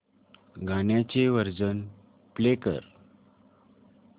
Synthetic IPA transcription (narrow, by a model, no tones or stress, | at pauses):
ɡanjat͡seʋəɾd͡zən | plekə̰ɾ